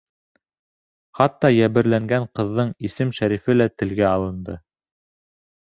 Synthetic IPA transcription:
χɑt̪ːɑjæβɘ̆ɾlæŋɡæɴqɤ̆ðːɤɴisɘmʃæɾifɘlæt̪ɘ̆lɡæɑlˠɤ̆nd̪ɤ

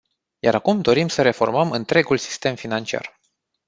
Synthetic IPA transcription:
jaɾakumd̪o̞ɾimsəɾe̞fo̞rməmɨnt̪ɾe̞ɡulsi̥st̪e̞mfinant͡ʃia̰r

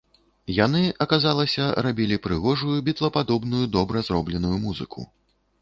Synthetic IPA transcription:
janɨʔɐkazalˠɐsʲɐɾabʲilʲipɾɨɣɔʐujubʲit̪lˠɐpad̪ɔbnujud̪ɔbɾɐzɾɔblʲɛnujumuzɨ̰kʰṵ

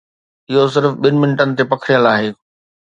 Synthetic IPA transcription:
ɪɦosɪɾfɓɪnɪmɪnɪʈənɪ̆t̪epɐkʰɾijəlaːɦeː

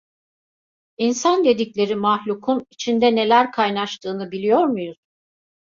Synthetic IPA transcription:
insand̪e̞d̪iclʲe̞ɾimahlʲukʰunit͡ʃʰind̪ɛne̞lʲæɾkʰajnaʃt̪ʰɯːnɯbilʲijo̞ɾmujuz̥

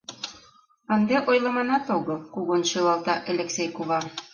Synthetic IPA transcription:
ɑnd̪eʔojlˠɤ̆mɑnɑt̪oɣŏkuɣonʃelɑlˠt̪ɑʔelʲeksʲejkoβɑ

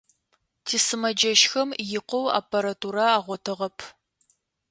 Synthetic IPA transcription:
tʰiːsɨmɐd͡ʒɐʃxɐmjɪqʷɔwa̰ːpʰɐɾatʰuɾaaːʁʷɔtʰɨʁɐpʰ

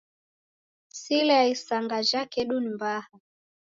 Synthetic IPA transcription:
silɛaisaŋɡaʒakɛɗunimbaha

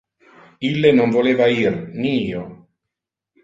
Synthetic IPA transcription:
ilːenonvoleːvairniiːo

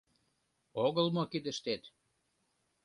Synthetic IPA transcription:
oɣəlmokid̪ə̆ʃt̪et̪

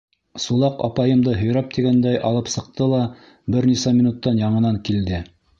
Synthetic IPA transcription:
sulˠɑqɑ̰pɑjɤ̆md̪ɤɦɵ̆jɾæp̚t̪iɡænd̪æjʔɑlˠɤpsɤ̆q̚t̪ɤlˠɑ | bɘɾnisæmʲinut̪ːɑnjɑɴɤ̆nɑŋkild̪ɘ

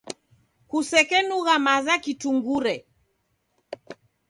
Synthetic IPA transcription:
kusɛkɛnuɣamazakituŋɡuɾɛ

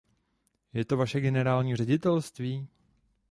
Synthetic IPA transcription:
jɛt̪o̞vaʃɛɡɛnɛɾaːlɲiːrɛɟɪt̪ɛlst̪viː

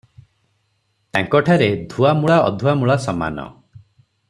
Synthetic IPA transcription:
t̪aŋkɔʈʰaɾed̪ʱuamuɭaɔ̰d̪ʱuamuɭasɔma̰nɔ̰

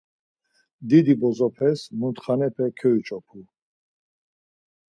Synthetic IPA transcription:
d̪id̪ibɔzɔpʰɛsmunt̪χanɛpʰɛkʰɛit͡ʃʼɔpʰu

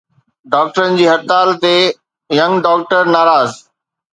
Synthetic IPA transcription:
ɖaːk̚ʈəɾənd͡ʑiːɦɐɾt̪aːlt̪e | jɐ̃ŋɡɖaːk̚ʈəɾnaːɾaːz

